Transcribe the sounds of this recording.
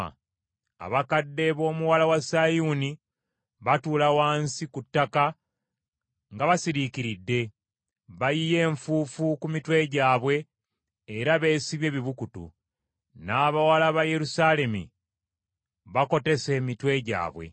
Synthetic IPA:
a̰βakadːe̞βo̞ːmuwalawasajuni | βatulawaːnsikutːaka | ŋɡaβasiɾiciɾidːe̞ | βajije̞ːɱfuːfukumitwe̞ɟaːβwe̞ː | ɾaβe̞ːsiβje̞ːβiβukutṵ | naːβawalaβaje̞ɾusale̞mḭ | βako̞te̞se̞ːmitwe̞ɟa̰ːβwe̞̰

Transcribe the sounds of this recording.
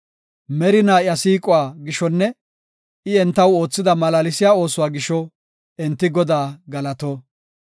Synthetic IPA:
mɛɾɪnaːɪɐsiːkʼʊwaːɡɪʃɔnːɛ | ɪɛnt̪ːɐwo̞ːt͡sːɪd̪ɐmɐlaːlɪsɪjaːo̞ːsʊwaːɡɪʃɔ | ɛnt̪ːɪɡɔd̪aːɡɐlɐt̪oː

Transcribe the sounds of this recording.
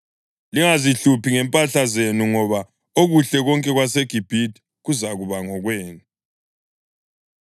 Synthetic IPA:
liŋaziɬupʰiŋɛmpʼaɬazenuŋɔβa | oɣuɬɛɣɔŋkʼɛɣwaseɡ̥ʱib̥ʱidi | ɣuzaɣuβaŋɔɣweːnu

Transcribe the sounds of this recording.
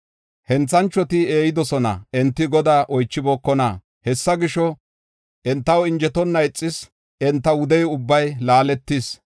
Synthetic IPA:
hɛnt͡sːɐnt͡ʃːɔt̪ɪe̞ːjɪd̪ɔsɔnɐ̰ɛnt̪ːɪɡɔd̪aːʔɔjt͡ʃːɪbɔːkːɔnɐ | hɛsːɐɡɪʃɔ | ʔɛnt̪ːɐwɪnd͡ʒɛt̪ɔnːɐɛt͡sʼːɪs | ʔɛnt̪ːɐwʊd̪ɛjʊbːɐjlaːlɛt̪ːɪs

